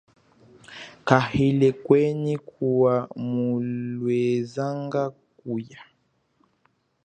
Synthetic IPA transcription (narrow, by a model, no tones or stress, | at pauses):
kahilɛkwɛnikʰuwamulwɛzaŋɡak̚uja